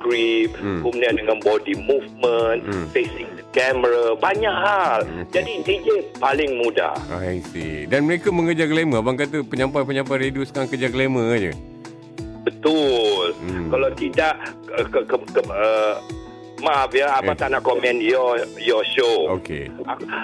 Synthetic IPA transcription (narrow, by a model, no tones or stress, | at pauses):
ɡɹip̚kumuniãndəŋanbɔdimufmənfesɪŋ̚dəkɛməɾabaɲaʔɦald͡ʒadinted͡ʒənpalɪŋmuda̰a̰ɛŋsḭdanməɾekamə̃ŋkəd͡ʒakəlemə̃baŋkat̪̬əpəɲãmpajpəɲãmpajɾedusəkaaŋkəd͡ʒakəlemə̃d͡ʒə̰ | bət̪ʊlkalawt̪idaʔ | əkəkəə | mapjaaat̪anaʔkɔmɛ̃njɔjɔʃookḛa